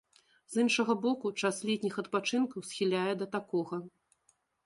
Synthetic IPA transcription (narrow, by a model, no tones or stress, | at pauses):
zɨnʂɐɣɐbɔkut͡ʂaslʲɛt̪ʲnʲixɐt̪̚pat͡ʂɨnkɐwsʲxʲilʲajɛd̪ɐt̪akɔɣɐ